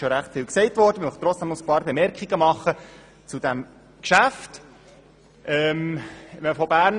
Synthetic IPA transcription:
ʃoɾæχtfɪlksɛɪtvɔɾdəmɪmœχt̪ɾɔt͡sd̥æmʊspɑːɾbemɛɾkχiɡəmɑχːə | t͡sud̥æm | kʃæft | ʔɛːmmɛməfɔbæːɾn

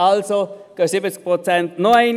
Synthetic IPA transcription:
alsoɡ̥əsɪbət͡sk̚pʁot͡sɛntnoɛɪn

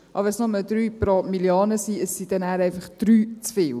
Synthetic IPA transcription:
ʔɑ̰bɛsnɔməld̪ɾyːpɾomiljɑːnəsiəssid̥ɛnæːɾɛɪfɑχd̥ɾyːt͡sfɪːl

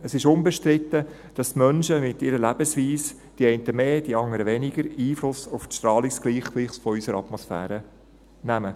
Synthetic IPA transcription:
əsɪʃʊnbɛʃtɾɪtːə | d̥ɑstmœnʃəmɪtːɪɾəlæb̥əsʋiːs | d̥iɛɪntəmeːd̥iɑŋəɾəʋɛnɪɡəɾiːflʊsʊfʃtɾɑːlisɡ̥liːχliχsfɔysəɾɑtmɔsfæ̰ːɾə | næmə

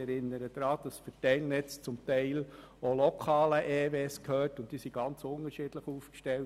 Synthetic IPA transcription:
ɛɾɪnːəɾəd̥̪ɾɑːd̥ɑsfɛtɛɪlnɛt͡st͡sʊmtɛɪl | olɔkʰɑːləʔeːveːskʰhøːrtʊntd̥iːsiɡ̥ɑnt͡sʊnəɾʃɪd̥ləχuːfkʃtɛl

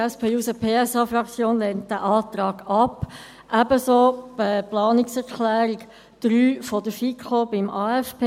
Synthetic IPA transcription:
ɛspʰeːusəpʰeːɛsɑːfrɑkt͡sjoːnlɛnt̚d̪æʔɑːt̪ɾɑːɡ̥ɑpː | ʔæbəsoːbəplɑːniksɛɾkʰlæːɾiɡ | d̪̥ɾyːfɔdəfikʰχobɪmʔɑːɛfpʰe

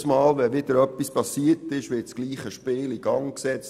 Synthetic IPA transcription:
smɑːlʋɛʋɪd̥̪əɾœpːispɑsiːətɪʃʋɪtsɡ̥liːχəʃpɪːliɡ̥ɑŋksɛt͡s

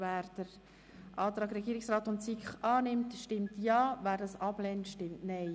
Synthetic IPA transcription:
væːɾd̥əɾ | ʔɑːt̪ɾɑːɡɾɛɡiːɾɪksɾɑːt̪ʊntsikχʔɑːnɪmtʃtɪmtjɑːvæːɾdɑsɑb̥lɛntʃtɪmtnɛɪ

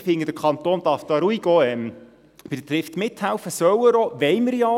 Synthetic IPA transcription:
fɪŋəd̥əkʰχɑnt̪oːnd̥̪ɑɾfd̥̪ɑːɾuiɡɔɛm | b̥ɪdət̪ɾɪft̪mɪt̪hæwfəsœwəɾɔʋɛɪməɾjɑ

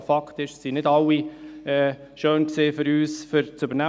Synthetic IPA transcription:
fɑktɪʃsinɪdɑliɛː | ʃøːnkseːfʏɾyːsfʏɾt͡sybəɾnæ

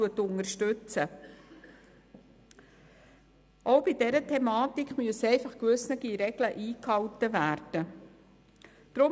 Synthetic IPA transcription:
uətːʊnəɾʃtʉt͡sə | ʔowbidɛɾətʰɛmɑːtikχmyəsɛɪfɑχkʋʏsnəɡ̥iɾɛɡ̥ləʔiːkhɑwtəvæːɾd̥ə | d̥ɾʊ

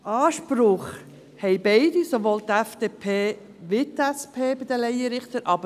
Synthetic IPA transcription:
ʔɑːʃpɾʊχ | hɛɪbɛɪdisoʋoːlt̪ɛfd̥̪eːpʰeː | ʋɪtɛspʰeːbɪd̪əlɛjəɾɪχt̪əɾʔɑbə

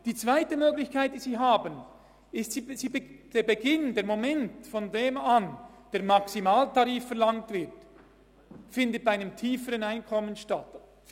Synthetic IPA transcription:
d̥iːt͡sv̥aɪtəmøːɡlɪçkaɪt̚d̥iːziːɦaːbən | ɪstsiːsiːbd̥eːɾbeɡɪndeːɐɾmomɛntfɔndeːmand̥eːɐɾmɑksimaːltʰɑɾiːfːɛɐlɑŋtv̥ɪɾt | fɪndət̚b̥aaɪnəmtʰiːfəɾənaɪnkʰɔmənʃtat

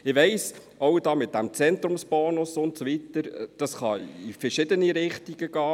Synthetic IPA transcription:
ɪʋɛɪs | ɔwd̥ɑːmɪt̚d̥æmt͡sɛnt̪ɾʊmsb̥ɔːnʊsʊntsɔʋitəɾd̥ɑsχɑifəɾʃɪdəniɾɪχtiɡ̥əɡ̥ɑː

